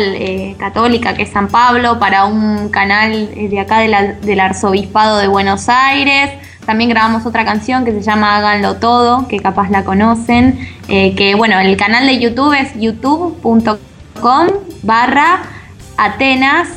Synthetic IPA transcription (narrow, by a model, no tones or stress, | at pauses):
ekat̪o̞likakeesːampaβlo̞paɾauŋnkanalðeakaðelad̪e̞laɾso̞β̞ispað̞o̞ð̞e̞βwe̞nosajɾe̞s | t̪ambje̞ŋɡɾaβamo̞so̞t̪ɾakansjo̞ŋke̞se̞ʒamaaɣanlo̞t̪o̞ð̞o̞ke̞kapaslako̞no̞sen | ekeβwe̞no̞elkanald̪e̞jut̪uβesjut̪uβpunt̪o̞ | ko̞mbara | at̪enas